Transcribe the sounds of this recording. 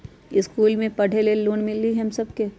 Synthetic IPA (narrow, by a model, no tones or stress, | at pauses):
ɪskuːlmẽpɐɽ̤ʱeleloːnmɪlːiɦɦɐmsɐbke